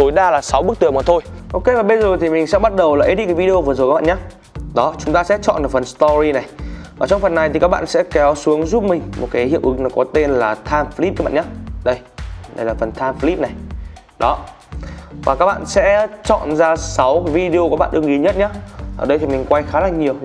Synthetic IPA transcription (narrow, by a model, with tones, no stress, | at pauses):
t̪o˨˦jɗaː˧laː˨˩sa˨˦wɓɨ˦˥k̚t̪ɨ˨˩əmaː˨˩t̪ʰo˧jʔo˧wke˧vaː˨˩ɓə˧jzo˨˩jt̪ʰi˨˩mi˨˩ŋ̟sɛ̰˧˥ɓa˦˥t̚ɗə˨˩wlaː˨˩ʔi˦˥ɗi˧kːvi˧o˧vɨ˨˩zo˨jk̚ːɓ̰ːɲaː˨˦ | ɗɔ˨˦t͡ɕʊ˨˦ŋ͡mt̪aː˧sɛ̰˧˥t͡ɕɔ̰˧˨nɨ˨˩fə˨˩nst̪ɔ˧zi˧na˨˩jvaː˨˩t͡ɕɔ˧wŋ͡mfə˨˩nːa˨˩jt̪i˨˩kaː˦˥ɓa̰ː˧˨sɛ̰˧˥kɛ˨˦wsu˨˦əŋzu˦˥p̚mï˨˩ŋ̟mo̰˨˩t̚ka˨˦jhḭ˧˨əwʔɨ˨˦ŋnɔ˨˦kɔ˨˦t̪e˧nlaː˨˩t̪ʰaː˧mfli˦˥p̚a˨˦ɓ̰a̰ː˧˨ɲaː˦ɗə˧j | ɗə̰˧jlaː˨˩fə˨˩nt̪ʰaː˧mfli˦˥p̚na˨˩j | ɗɔ˨˦ | vaː˨˩kaː˦˥k̚ɓa̰ː˧˨nsɛ̰˧˥t͡ɕɔ̰˧˨nzaː˧sa˨˦wka˨˦jvi˧ɗi˧o˧kɓ̰aː˧˨nɗɨ˧əŋʔḭ˨˦ɲə˦˥t̚ɲaː˨˦˥ʔəː˨˩ɗə˧jt̪ʰi˨˩mi˨˩ŋ̟kwa˧jxaː˨˦laː˨˩ŋɲi˨˩əw